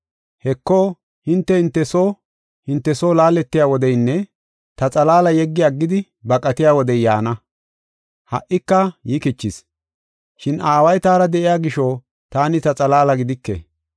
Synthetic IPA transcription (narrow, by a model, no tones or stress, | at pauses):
hɛkːoː | hɪnt̪ːɛɪnt̪ːɛsoː | hɪnt̪ːɛsoːlaːlɛt̪ːɪjaːwɔd̪ɛjnːɛ | t̪ɐt͡sʼɐlaːlɐjɛɡːɪjaɡːɪd̪ɪ | bɐkʼɐt̪ɪjaːwɔd̪ɛjjaːnɐ | hɐ̰ʔɪkːɐjɪkɪt͡ʃːɪs | ʃɪnʔaːwɐjt̪aːɾɐd̪ɛʔɪjaːɡɪʃoː | t̪aːnɪt̪ɐt͡sʼɐlaːlɐɡɪd̪ɪkːɛ̰